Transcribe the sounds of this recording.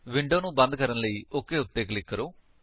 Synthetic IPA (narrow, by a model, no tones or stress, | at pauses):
ʋɪ̃ɳɖoːnũːbə̃nd̪̚kəɾənləiːokːeːʊt̪ːeːklɪkːəɾoː